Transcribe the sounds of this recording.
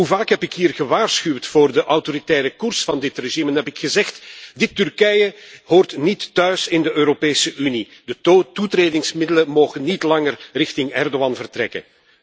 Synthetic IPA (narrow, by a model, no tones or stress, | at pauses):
ɦuvaːkɦɛpɪkɦiːrɣəʋaːrsxywtfoːrdəʔɑwtoɾitɛːɾəkʊrsfɑndɪtreʒimɛnɦɛpɪkxəzɛxtdɪtːʏrkɛjəɦoːrtnitːœɥsɪndəøːɾopeːsəʔynid̥ətutreːdɪŋsmɪdələmoːɣənːitlɑŋərrɪxtɪŋɛrdoɑnvərtrɛ̰kə̰n